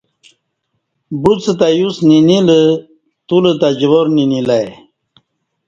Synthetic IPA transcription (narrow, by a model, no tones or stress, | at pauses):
but͡sət̪ajusninilə | t̪ulət̪ad͡ʑʋoɾninilaj